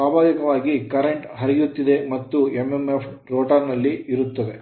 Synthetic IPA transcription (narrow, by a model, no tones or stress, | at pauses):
aːbʱaːʋjɐkɐʋaːɡikɐɾeɳʈɦɐɾijut̪ːid̪e̞mɐt̪ːuememepʰɾoːʈɐɾnɐlːiiɾut̪ːɐd̪e̞